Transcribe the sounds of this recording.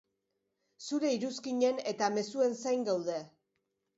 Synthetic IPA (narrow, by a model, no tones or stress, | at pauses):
suɾe̞iɾuskiɲe̞ne̞t̪ame̞sue̞nsajŋɡawðe̞